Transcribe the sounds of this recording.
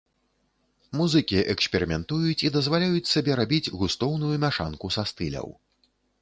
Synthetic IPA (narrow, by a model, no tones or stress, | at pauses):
muzɨkʲiʔɛksʲpʲɛɾɨmʲɛnt̪ujut͡sʲid̪ɐzvalʲajut͡sʲsabʲɛɾabʲid͡zʲɣust̪ɔwnujumʲaʂa̰nkusast̪ɨlʲɐ̰w